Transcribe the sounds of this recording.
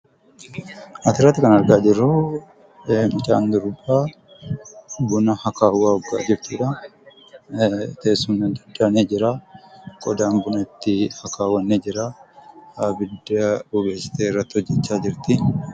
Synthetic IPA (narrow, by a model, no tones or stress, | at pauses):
ʔɐt̪ɪɾɐt̪ːɪkɐnɐɾɡaːd͡ʒɪrːʊ | mɪt͡ʃʼa̰ːnd̪ʊɾbaː | bʊnɐhɐkaːwaːɔɡːa̰ːd͡ʒɪɾt̪ɪːᶑɐ | t̪eːsunɐd̪ɐd̪ːaneːd͡ʒɪɾaːkʼɔd̪aːnbʊnɐt̪ːɪhɐkaːwɐnːed͡ʒɪɾaːabɪd̪ːɐbʊbeːsɪ̥t̪eːrːɐt̪ːɪhɔd͡ʒːɛt͡ʃːaːd͡ʒɪɾt̪ɪ